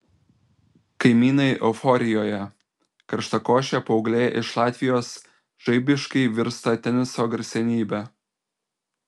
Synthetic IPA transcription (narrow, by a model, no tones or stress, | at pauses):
kɐɪmʲiːnɐɪʔɛfɔɾʲɪjoːjɛ | kɐɾʃt̪ɐkoːʃʲɛpɐʊɡlʲeːʔɪʃlˠɑːt̪ʲʋʲɪjoːs | ʒ̥ɐɪbʲɪʃkɐɪʋʲɪɾst̪ɐt̪ʲɛnʲɪsoːɡɾʲsʲɛnʲiːbʲæ